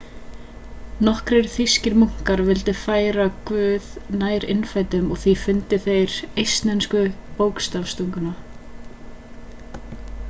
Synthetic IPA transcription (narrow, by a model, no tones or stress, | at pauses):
nɔhkɾejɾθiscɪɾmuŋ̥kaɾvɪlt̪ɪfaːjɾakvʏːðnaːjɾɪ̰nfajt̪ʏmɔɣθifʏnt̪ɪθejɾejst̪nɛnskʏpoːwkst̪afst̪œŋkʏna